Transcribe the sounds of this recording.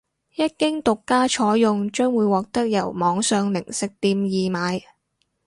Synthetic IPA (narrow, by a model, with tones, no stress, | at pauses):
jɐ˥t̚kɪ˥ŋt̪ʊ˨kːaː˥t͡ʃʰɔː˨˥jʊ˨˧ŋt͡ʃœː˥ŋwuː˨˧jwɔː˨k̚t̪ɐ˥k̚jɐ˨˩wmɔː˨˧ŋsœː˨˧ŋlɪ˨˩ŋsɪ˨k̚t̪iː˧mjiː˨maː˨˧j